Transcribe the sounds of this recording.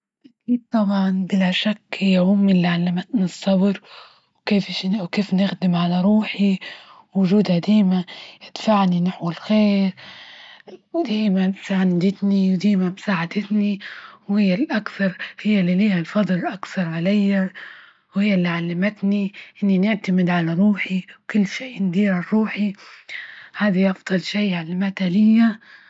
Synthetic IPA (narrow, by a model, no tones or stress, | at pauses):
ʔakiːd̪̚t̪ˤɑbʕɑnbɪlaʃakhɪjːahʊmːɪlːiʕalːamat̪nɪsˤːɑbɾ | wkeːfʃwkeːfnɪxd̪ɪmʕalaɾˤuːħi | wʊʒuːd̪had̪iːmajɪd̪̥faʕninɪħwalxeːɾ | wd̪iːmasaʕand̪ɪt̪niwd̪iːmamsaːʕad̪ɪt̪niwhɪjːalʔakθɑɾˤhɪjːalːiliːhalfɑd̪ˤlʔakθɑɾˤʕalajːa | whɪjːalːiʕalːamɪt̪niʔɪnːinɪʕt̪amɪd̪ʕalaɾˤuːħiwkʊlːʃeːʔnd̪iːɾaɾˤuːħi | haːd̪aʔɑfd̪̥ˤɨlʃaːʕalːamat̪halɪjːa